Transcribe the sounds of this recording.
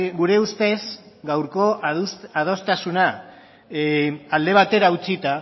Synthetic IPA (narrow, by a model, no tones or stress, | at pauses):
ɡuɾe̞ust̪e̞z | ɡawɾko̞sað̞o̞st̪asuna | ald̪e̞β̞at̪e̞ɾaut͡sit̪a